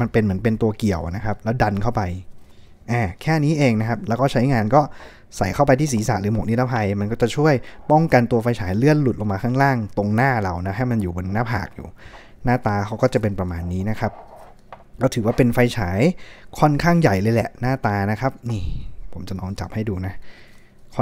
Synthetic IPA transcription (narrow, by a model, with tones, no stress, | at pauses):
ma˧npe˧nmɯ˩˦ənpe˧nt̪u˧ɐki˨˩əwna˦˥kʰa˦˥p̚lɛː˦˥wda˧nkʰa˥˩wpa˧j | ʔaː˨˩kʰɛː˥˩niː˦˥ʔeː˧ŋna˦˥kʰa˦˥p̚lɛː˦˥wkɔː˥˩t͡ɕʰa˦˥jŋaː˧nkɔː˥˩ | sa˨˦jkʰa˥˩p̬a˧jt̪ʰiː˥˩siː˩˦sa̰˨˩ɾɯː˩˦mo˨˩k̚ni˦˥t̪ːa˦˥pʰa˧jma˧nkɔː˥˩t͡ɕa˨˩t͡ɕʰu˥˩əjpɔ˥˩ŋka˧nt̪u˧ɐfa˧jt͡ɕʰaː˩˦jlɯ˥˩ənlu˨˩lo˧ŋmaː˧kʰaː˥˩ŋlaː˥˩ŋt̪o˧ŋnaː˥˩la˧˩wna˦˥ɦa˥˩jma˧njuː˨˩bo˧nːaː˥˩pʰa̰ː˨˩k̚jṵː˨˩ | naː˥˩t̪aː˧kʰa˦˥wkɔː˥˩t͡ɕa˨˩p̬e˧npɾa˧maː˧nːiː˦˥na˦˥kʰa˦˥p̚ | kaː˥˩t̪ʰɯː˨˦waː˥˩pe˧nfa˧jt͡ɕʰaː˩˦jkʰɔ˥˩nkʰaː˥˩ŋja˨˩jlɤː˧jlɛ˨˩ʔnaː˥˩t̪aː˧na˦˥kʰa˦˥p̚niː˧˥˩pʰo˨˩˦mt͡ɕa˨˩nɔː˧nt͡ɕa̰˨˩p̚ha˥˩jduː˧na˦˥ | kʰ